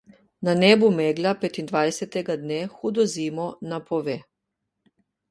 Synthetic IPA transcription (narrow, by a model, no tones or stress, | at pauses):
nanɛːbumeːɡlʲapet̪ind̪ʋajsɛt̪ɛɡad̪neːxuːd̪ɔziːmɔnapʰɔʋeː